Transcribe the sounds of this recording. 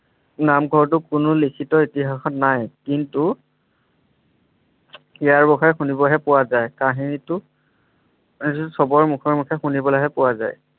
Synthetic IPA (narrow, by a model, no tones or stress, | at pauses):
namɡʱɔɹt̬ʊkʊnʊlikʰitɔitiɦaxɔtnajkintu | ijaɹbɔkʰaɛxunibɔɦɛpʊwazajkaɦinitʊ | sɔbɔɹmukʰɔɹmukʰɛxunibɔlaɦɛpʊwaza̰j